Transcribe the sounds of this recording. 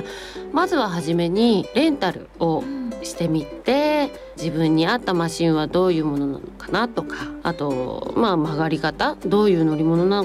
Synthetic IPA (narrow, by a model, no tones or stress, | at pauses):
mazɨβaɦaʑime̞ɲ̟iɾẽ̞nt̪aɾɯ̟o̞ɕi̥t̪e̞mʲit̪ːe̞ | d͡ʑibɯ̟̃ɲ̟ːiat̪ːamaɕĩɰ̃βad̪o̞ːjɯ̟ːmo̞no̞na̰no̞kḁnat̪o̞kaa̰t̪o̞mamaɡaɾʲikat̪ad̪o̞ːjɯ̟ːno̞ɾʲimo̞no̞nano